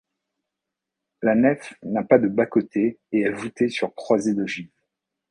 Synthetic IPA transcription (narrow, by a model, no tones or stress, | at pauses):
lanɛfnapad̪əbakot̪ʰeːɛlvut̪ɛsyʁkχwazed̪əʒiv